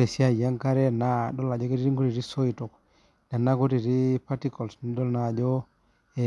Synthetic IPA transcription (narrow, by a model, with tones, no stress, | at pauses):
e˨si˦a˦ja˦ŋka˦ɾɛ˦na˦dɔ˦la˨d͡ʒɔ˦ke˦ti˦ɾi˦ŋɡo˦ti˨ɾi˦so˦i˨tɔ˨k | na˨na˦ɡo˦ti˨ɾi˦pa˦ti˦kɔ˨lsni˦dɔ˦lna˨d͡ʒɔ˦